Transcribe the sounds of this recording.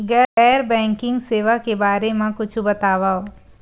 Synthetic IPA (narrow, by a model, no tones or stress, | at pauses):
ɡɛɛːɾbɛ̃ːŋkɪ̃ŋɡseːʋakebaːɾemẽkʊt͡ʃʰbɐt̪aːʋaoː